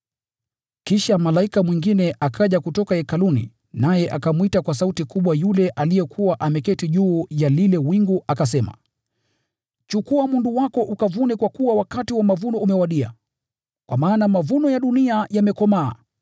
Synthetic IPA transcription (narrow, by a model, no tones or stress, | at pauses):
kiʃamalaikamwiŋɡinɛʔakʰaʄakutɔkaɛkalunḭ | najɛʔakamwitakwasautikuɓwajulɛʔalijɛkʰuwaʔamɛkɛtiʄuːjalilɛwiŋɡuʔakas̬ɛma̰ | t͡ʃukuamunduwakɔʔukavunɛkwakuwawakatiwamavunɔumɛwaɗia̰ | kwamaːnamavunɔjaɗuniajamɛkɔmaː